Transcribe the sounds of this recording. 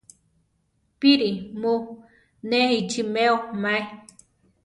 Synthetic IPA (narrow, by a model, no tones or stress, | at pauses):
piɾimo | neit͡ʃimeomae